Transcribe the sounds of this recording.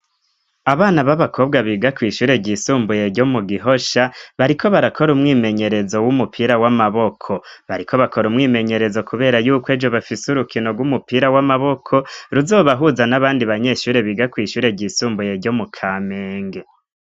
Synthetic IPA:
aβaːnaβaβakʰo̞bɡwaβiːɡakwiːʃuːɾe̞ɟisuːmbujeɾɟo̞muɡiɦo̞ʃaβaɾikʰo̞βaɾakʰo̞ɾumŋiːme̞ɲe̞ɾe̞zo̞wumupʰiːɾawamaβokʰo̞βaɾikʰo̞βako̞ɾumŋiːme̞ɲe̞ɾe̞zo̞kʰuβe̞ːɾajuːkwe̞ːd͡ʒo̞βafisuɾukino̞ɡwumupiːɾawamaβo̞kʰo̞ɾuzo̞ːβaɦuzanaβaːndiβaɲe̞ʃuːɾe̞βiːɡakwiːʃuːɾe̞ɟiːsuːmbuje̞ɾɟo̞mukʰame̞ːŋɡe̞

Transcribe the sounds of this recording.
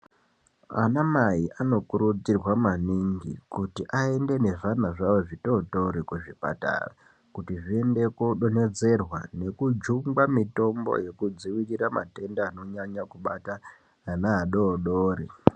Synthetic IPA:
a̰namaiʔano̞kuɾud͡zirwamaniŋɡḭkutiʔae̞nde̞ne̞ʐanaʐawoʐitotoɾikuʐipa̰ta̰ra̰ | kutiʐiende̞kuɗone̞d͡ze̞rwane̞kud͡ʒuŋɡamito̞mbo̞̰je̞kud͡ziwiriɾama̰te̞ndaːno̞ɲaɲakuɓataː | naɦaɗoːɗoːɾi

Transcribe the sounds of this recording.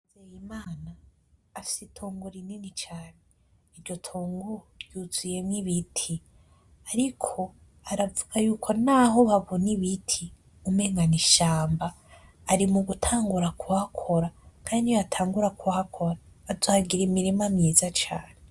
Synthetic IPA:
zejimaːnaː | fi̥sitʰoːŋɡuɾininit͡ʃaːne | iɾɟo̞tʰoːŋɡuɾjuzije̞mŋiβitʰi | aɾikʰo̞ | aɾavuɡ̥ajuːkʰo̞naɦo̞βaβoniβitʰi | umeŋɡaniʃaːmbaː | ɾimuɡutʰaːŋɡuɾakuhakʰo̞ɾakʰaːndiatʰaːŋɡuɾakuhakʰo̞ɾaːzaːɡiɾimiɾimamɲiːzat͡ʃaːnee

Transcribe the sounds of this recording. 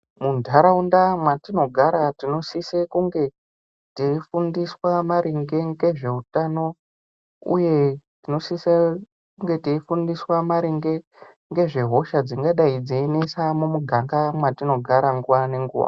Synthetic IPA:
mundʱaɾaundamwatino̞ɡʱaɾatino̞sisekuŋɡe̞ | teifundiswamaɾiŋɡe̞ŋɡe̞ʐe̞utano̞ | ṵje̞tino̞sise | kuŋɡe̞teifundiswamaɾiŋɡe̞ | ŋɡe̞ʐe̞ɦo̞ʃad͡ziŋɡaɗaid͡zeinesamumuɡʱaŋɡamwatino̞ɡʱaɾaŋɡuwane̞ŋɡṵːwa̰

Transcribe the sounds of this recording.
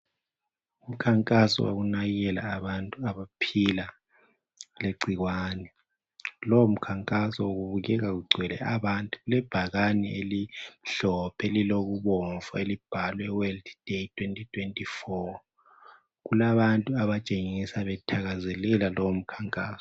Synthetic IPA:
um̩kʰaŋkʼasɔ̰wa̰ɣunajɛla̰ːβantʼuaβapʰila | leɡ͡ǀʱiɣwaːnɛ | lowom̩kʰaŋkʼasɔoɣuβuɣɛɣaɣuɡ͡ǀʱwɛlɛ̰aβantʼuɣulɛb̥ʱaɣanɛelim̩ɬɔpʰɛliloɣuβɔɱfɔelib̥ʱalwɛwɛldd̥etʰwentʼitʰwentʼifɔ | ɣulaβantʼuaβat͡ʃʼeŋisaβɛtʰaɣazɛlɛlalɔwom̩kʰaŋkʼa̰ːsɔ̥

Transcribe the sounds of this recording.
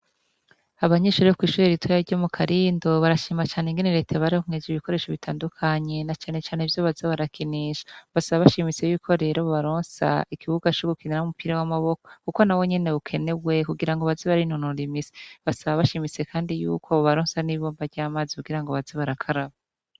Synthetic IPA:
aβaɲeːʃuɾeokwiːʃuːɾeɾitʰwojaɾɟo̞mukʰaɾiːndo̞βaɾaʃiːmat͡ʃaːneŋɡeneɾe̞tʰaβaɾihomŋed͡ʒiβiko̞ɾe̞ːʃoβitʰaːndukʰaɲe̞nat͡ʃaːne̞t͡ʃaːneivjoβazeβaɾakiniʃḁβasaβaβaʃimit͡seβikʰo̞ɾe̞ɾoβoβaɾoːnsa̰ikiβuɡat͡ʃoɡukiniaumupiːɾawamaβo̞kokuko̞nawo̞ɲe̞ne̞ukʰe̞ne̞ɡwe̞kuɡiɾaŋɡoβaziβaɾinonuɾimise̥βasaβaβaʃimit͡se̞kʰaːndijṵːkʰo̞oβaɾoːnsaniβoːmbaɾɟaːmaːzikuɡiɾaŋɡo̞βaziβaɾakʰaɾaβa

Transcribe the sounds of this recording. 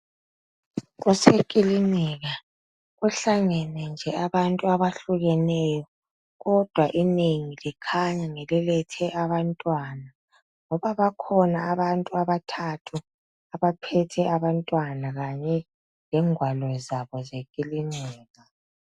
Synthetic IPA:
ɣusekʼiliniɣa | ɣuɬaŋɛnɛnd͡ʒʱɛaβantʼuaβaɬuɣɛnɛjɔ | ɣɔd̥ʱwaʔineŋilikʰaɲaŋɛlɛlɛtʰɛʔaβantʼwana | ŋɔβaβakʰɔnaːβantʼuaβatʰatʰu | aβapʰɛtʰɛʔaβantʼwanaɣaɲɛ | ŋɛŋwalɔzaβɔzekʼiliniːɣa

